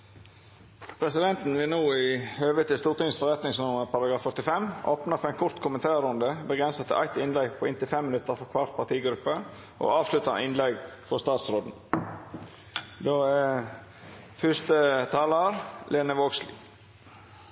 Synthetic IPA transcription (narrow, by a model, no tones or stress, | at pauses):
pʰɾɛsɪd̪ɛnt̪n̩ʋɪlnuːɪhøːʋət̪ʰɪst̪uːɾt̪ɪŋnsfɔɾɛt̪nɪŋsnʊməɾpʰɑɾɑɡɾɑːfœt̪ɪfɛmːʔoːpnəfɔɾæɪnkʰʊɾt̪kʰʊmənt̪ʰɑːɾʊnd̪əbəɡɾɛnsət̪ʰɪʔæ̰ɪt̪ɪnlɛɡpʰɔɪnt̪ɪlfɛmːɪnʉt̪ːəɾfɔkʰʋɑɾt̪̚pɑt̪iːɡɾʉpːə | ʔo̰ɑːʋslʉt̪ɑnɪnlɛɡfɔst̪ɑːt̪sɾoːd̪n̩ | d̪oːɛ | fʏst̪ət̪ʰɑːləɾlʔeːnəʋoːɡslḭ